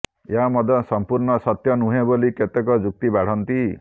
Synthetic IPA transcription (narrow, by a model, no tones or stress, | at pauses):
eɦamɔd̪ʱɔsɔmpuɾɳɔsɔt̪jɔnuɦeboliket̪ekɔd͡ʒuk̚t̪ibaɽ̤ɔnt̪i